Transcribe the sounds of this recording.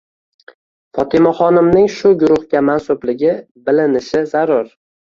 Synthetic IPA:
fɒt̪ʰɪmaχɒnɪmnɪŋʃʊɡʊɾʊhɡʲamansʊblɪɡʲɪ | bɪlɪnɪʃɪzaɾʊɾ

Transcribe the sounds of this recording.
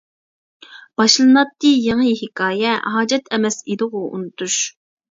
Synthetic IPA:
b̥ɑʃlˠɨnɑt̪ːɨjeŋəɦɪkʰɑːjɛɦɑːd͡ʒɛt̪ʰɛmɛsid̪ɨʁʊṵnɨt̪ʰuʃ

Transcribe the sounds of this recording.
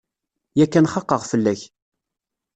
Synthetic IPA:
jækːænχɑqːəʁfəlːæç

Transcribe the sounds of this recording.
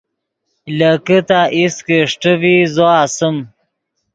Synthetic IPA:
ləkət̪aʔiskeʂʈəvizoaːsəm

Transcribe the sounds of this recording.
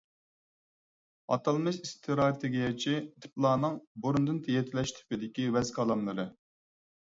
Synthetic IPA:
ɑ̰t̪ʰɑlˠmɨʃist̪ʰɨɾɑt̪ʰeɡʲijɑt͡ʃʰit̪ʰɪ̥plˠɑːnɨŋboɾund̪ɨnt̪ʰɛjɛt̪ʰɪlɛʃt̪ʰy̥pɪd̪ɪkʲiwɛzkʰɑlˠɑmlˠɨɾɨ

